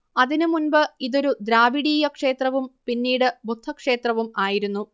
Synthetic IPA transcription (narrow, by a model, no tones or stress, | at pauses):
ɐðinɨmunbɨiðo̞ɾud̪ɾaːbiɽiːjɐkʂe̞ːt̪rɐʋumpinːiːɽɨbut̪ʰːɐkʂe̞ːt̪rɐʋumaːjiɾunːu